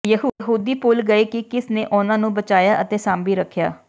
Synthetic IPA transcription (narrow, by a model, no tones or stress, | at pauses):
jəɦɦuːd̪iːpʊlɡəeːkɪkɪsneːʔʊnãːnũːbət͡ʃaːjaːʔət̪eːsãːmbiːɾəkʰːja̰ː